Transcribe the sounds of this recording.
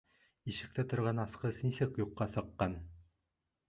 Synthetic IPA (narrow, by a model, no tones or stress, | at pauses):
iʃɘ̆k̚t̪æt̪ŏɾʁɑnɑsqɤsnisɘkjuqːɑsɤ̆qːɑn